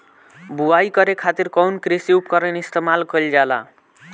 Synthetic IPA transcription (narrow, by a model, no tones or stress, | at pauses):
buajkʌɾekʰat̪irkʌwnkrisiup̚kʌɾʌnist̪emalkʰold͡zala̰